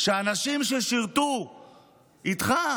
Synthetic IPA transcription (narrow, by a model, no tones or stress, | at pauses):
ʃeanaʃimʃeʃiʁt̪u | it̪χa